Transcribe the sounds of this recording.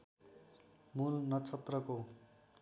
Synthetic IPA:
mulnʌt͡sʰʌt̪rʌko

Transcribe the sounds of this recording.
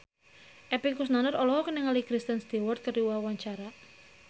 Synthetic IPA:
ʔɛpikusnanərɔlɔɦɔkənəŋalikɾist̪ənst̪iwɔrt̪̚kəɾiwawaɲt͡ʃaɾa

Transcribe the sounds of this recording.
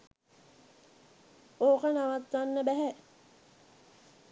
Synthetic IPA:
oːkənaʋat̪ʋanːəbæɦæ

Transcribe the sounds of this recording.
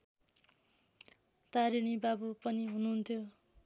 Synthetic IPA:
t̪aɾiñibabupʌniɦununt̪ʰjo

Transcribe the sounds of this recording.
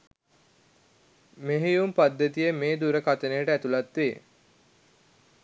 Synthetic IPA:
meɦijumpad̪ːət̪ijəmeːd̪uɾəkat̪ənejəʈəæt̪ulat̪ʋeː

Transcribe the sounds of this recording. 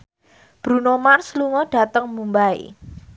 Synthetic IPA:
b̥ɾṳnomarsluŋɔɖ̥a̤t̪əŋmumbaḭ

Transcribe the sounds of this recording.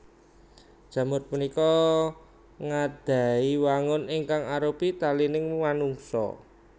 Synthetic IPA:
d̥ʒ̥ä̤mʊr̚punikɔ | ŋad̪̥a̤iwaŋʊnɪŋkaŋaɾopit̪alinɪŋmanuŋsɔ̰

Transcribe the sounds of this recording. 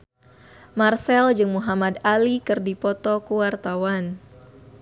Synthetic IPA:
marsɛld͡ʒɨŋmuɦamad̪alikɨrdipɔt̪ɔkuwart̪awan

